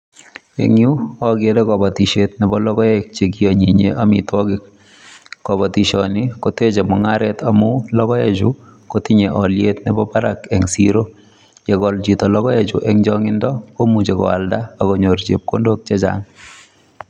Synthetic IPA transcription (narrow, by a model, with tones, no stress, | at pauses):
ḛŋju˦ɔɡe˦de˦kɔ˨ba˨ti˨ʃetnɛ˨bɔ˦lɔ˦kɔ˦ek̚t͡ʃe˨k̬i˦ɔ˨ɲi˨ɲeʔa˦mitwɔkɪ˨kː | ɔ˨bɔ˨ti˨ʃɔni˦ko˦te˦t͡ʃe˨mɔ˨ŋaɾɛ˦tamu˦lɔ˦kɔ˦et͡ʃuko˦tiɲe˨ʔɔljetnɛ˨bɔ˦pa˦ɾakɛ˨ŋsḭɾo | je˨kɔ˨lt͡ʃitɔ˨lɔ˦ɣɔ˦e˨t͡ʃṵ˨ʔɛŋd͡ʒɔŋɪ˦ndɔ˦ko˦mu˨t͡ʃe˨kɔ̰˨a̰˨lda˦a˨kɔ˨ɲo˨ɾt͡ʃe˨p̚ko˦ndo˦k̚t͡ʃe˦t͡ʃa̰ŋ